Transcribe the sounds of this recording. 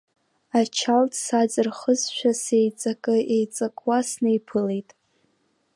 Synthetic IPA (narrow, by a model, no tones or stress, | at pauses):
at͡ʃʰaltʰsad͡zɨrχəzʃʷᶣase̞jt͡sʼakʼɨʔejt͡sʼakʼwasnejpʰɨlejtʼ